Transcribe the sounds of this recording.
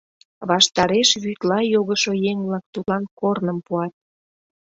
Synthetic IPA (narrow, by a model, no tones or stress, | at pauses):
βɑʃt̪ɑɾeʃβyt̪lɑjoɣəʃojeŋβlɑk̚t̪ulɑnkornəmpuɑt̪̚